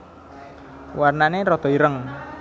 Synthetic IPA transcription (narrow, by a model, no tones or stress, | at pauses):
warnaneɾɔt̪ɔiɾəŋ